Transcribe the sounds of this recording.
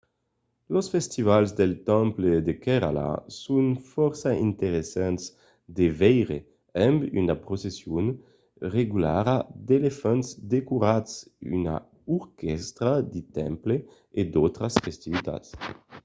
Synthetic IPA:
losfɛst̪ivalzd̪elt̪ãmpled̪ekeɾa̰la̰sunfɔɾsaint̪eɾesans | d̪evɛjɾe | ɛmbynapɾosesjon | reɡulaɾad̪elefanzd̪ekuɾatsy̰na̰ | uɾkɛst̪ɾad̪it̪ɛmple | ed̪owt̪ɾasfest̪ivit̪a̰t̪s

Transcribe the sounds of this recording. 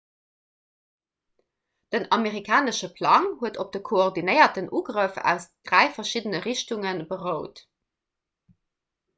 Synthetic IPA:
d̥ənɑmeʁikʰaːnəʃəpʰlɑŋhuətop̚d̥əkʰooʁdinəɪɐtənʔuːɡʁəfæ̰ʊsd̥ʁæɪfɐʃidənəʁiʃtuŋənbəʁəʊt

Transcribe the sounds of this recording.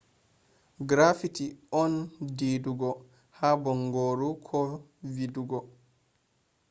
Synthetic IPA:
ɡɾafitiɔndiduɡɔ | habɔŋɡoːɾukʰɔviduɡɔ

